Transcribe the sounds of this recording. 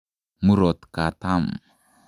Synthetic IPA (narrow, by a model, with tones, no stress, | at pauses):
mu˦ɾo˨t̪ka˨t̪am